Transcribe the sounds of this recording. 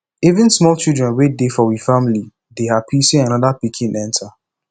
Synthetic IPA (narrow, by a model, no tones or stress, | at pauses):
ivɪ̃nsmɔlt͡ʃildɹɛ̃nwedefɔwifamili | deapʰisĩŋanɔðapikʰĩnʔɛ̃ntʰa